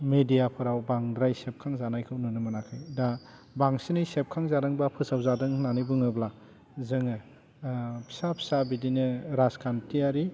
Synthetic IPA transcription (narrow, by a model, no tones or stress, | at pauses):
medijapʰɯɾawbaŋdɾajsep̚kʰaŋzanajkʰɯwnɯnɯmɯnakʰɯjda | baŋsinɯjsep̚kʰaŋzaɾɯŋbapʰɯsawzadɯŋnanɯbɯŋɯbla | zɯŋɯ | pʰi̥sapʰi̥sabidinɯɾaskʰantʰiaɾi